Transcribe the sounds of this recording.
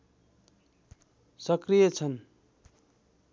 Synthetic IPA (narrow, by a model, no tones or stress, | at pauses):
sʌkrijʌt͡sʰʌn